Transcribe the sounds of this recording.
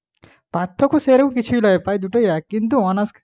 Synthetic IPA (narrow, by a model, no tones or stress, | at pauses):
b̥ʱat̪ʰːɔkoseɾɐkũkit͡ʃʰilʌepajd̪uʈʌjakint̪̬uɔnask